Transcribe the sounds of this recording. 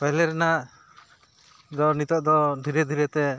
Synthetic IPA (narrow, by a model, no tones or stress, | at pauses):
pɛlɛɾɛnaʔ | d̪ɔnit̪ɔʔd̪ɔd̪ʱiɾɛd̪ʱiɾɛt̪ɛ